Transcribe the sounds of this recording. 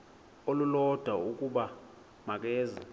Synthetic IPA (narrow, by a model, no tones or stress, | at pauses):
olulɔd̥ʱwaukʼuɓa | mak̬ʼɛːza